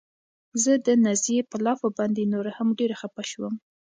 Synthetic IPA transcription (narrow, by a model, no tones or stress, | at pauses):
zəd̪ənazjepəlɑfabɑnd̪enoɾahamɖeɾaxapaʃwəm